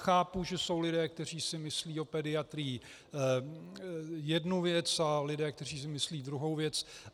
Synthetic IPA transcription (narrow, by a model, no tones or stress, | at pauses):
xaːpuʒɛso̞wlɪdɛːk̚t̪ɛr̝iːsɪmɪsliːo̞pɛdɪat̪ɾiiː | jɛdnuvjɛt͡salɪdɛːkt̪ɛr̝iːs̬ɪmɪsliːd̪ɾuɦo̞wvjɛt͡s